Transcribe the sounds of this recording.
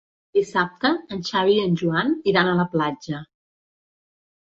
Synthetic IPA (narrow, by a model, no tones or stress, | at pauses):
d̪̥isap̚t̪əːnʃaβiənʲʒuaniɾanələplad͡ʒə